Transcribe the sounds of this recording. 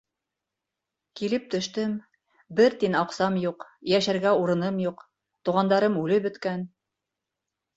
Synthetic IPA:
kilɘp̚t̪ɵ̆ʃt̪ɘm | bɘɾt̪inɑqsɑmjuqjæʃæɾɡæuɾɤ̆nɤmjuq | t̪uʁɑnd̪ɑɾɤmʉlɘbɵ̆t̪kæn

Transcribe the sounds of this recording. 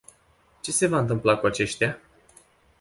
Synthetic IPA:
t͡ʃe̞se̞vaɨnt̪̬ɨmplakuat͡ʃe̞ʃt̪ea

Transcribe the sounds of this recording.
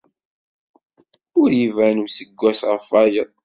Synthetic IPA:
ʊɾjivænusəɡʷːæsʁəfæjəðˤ

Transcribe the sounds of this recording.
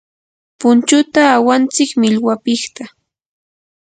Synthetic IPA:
pʊnt͡ʃʊt̪aːwant͡sɪkmɪʎwapɪχt̪a

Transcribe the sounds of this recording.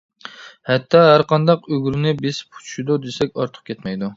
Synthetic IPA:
hɛt̪ʰːɑɦæɾqʰɑnd̪ɑqøɡʲɾɪnɪbɪzpʰu̥t͡ʃʰu̥ʃud̪ud̪esɛkʲɑɾt̪ʰə̥q̚kʲʰɛt̪mɛjd̪u

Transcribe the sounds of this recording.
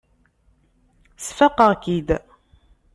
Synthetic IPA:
sfəqəʁkid̪

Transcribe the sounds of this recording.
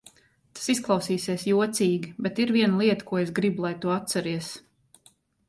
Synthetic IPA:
t̪ḁsisklˠɑwsiːsiɛsjuɔt̪siːɡʲibɛt̪iɾviɛnlˠiɛt̪ə̥kuɔesɡɾibulˠajt̪uat̪̚saɾiɛs

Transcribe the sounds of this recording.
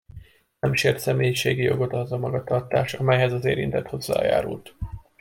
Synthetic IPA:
nɛmʃeːrt̪sɛmeːjiʃeːɡijo̞̰ɡo̞t̪ɒozɒmɒɡɒt̪ɒrt̪aːʃɒmɛjɦɛzɒzeːɾint̪ɛt̪ho̞zːa̰ːja̰ːɾult̪

